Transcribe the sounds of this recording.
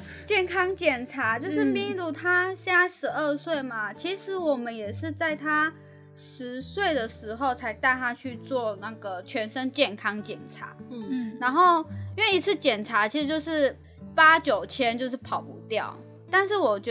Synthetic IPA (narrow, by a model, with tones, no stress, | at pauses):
t͡ɕjɛ˥˩nkʰɑ˥ŋt͡ɕjɛ˨˩nʈ͡ʂʰa˧˥t͡ɕjo˥˧ʊʂɻ̩˥˧pi˥˩ŋlu˧˥t̪ʰa˥ɕa˥˧ʂɻ̩˧˥ə˥˧swe˥˩ɪma˨˩t͡ɕʰi˧˥ʂɻ̩˧˥wɔ˨˩mə˦njɛ˨˩ʂɻ̩˥˧t͡sa˥˩ɪt̪ʰa˥ | ʂɻ̩˧˥swe˥˩ɪd̪ə˩ʂɻ̩˧˥xo˥˩ʊt͡sʰa˧˥ɪt̪a˥˧ɪt̪ʰa˥t͡ɕʰy˥˧t͡swɔ˥˧na˥˩ɡə˩t͡ɕʰɥɛ˧˥nʂə˥ŋt͡ɕjɛ˥˩nkʰɑ˥ŋt͡ɕjɛ˨˩nʈ͡ʂʰa̰˧˥na˧˥nxo˥˩ʊi˥nwe˥˩ɪi˧˥t͡s̩ʰ˥˩t͡ɕjɛ˨˩nʈ͡ʂʰa˧˥t͡ɕʰi˧˥ʂɻ̩˧˥t͡ɕjo˥˧ʊʂɻ̩˥˩ | pa˥t͡ɕjo˨˩ʊt͡ɕʰjɛ˥nt͡ɕjo˥˧ʊʂɻ̩˥˩pʰɑ˨˩ʊpu˧˥t̪jɑ̰˥˩ʊ | t̪a˥˧nʂ̬ɻ̩˥˩wɔ˨˩t͡ɕ